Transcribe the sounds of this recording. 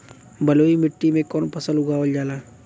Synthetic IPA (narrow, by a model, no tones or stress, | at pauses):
bɐloːimɪʈːimẽkɔːnpʰɐsəlʊɡaːʋəld͡ʒaːlaː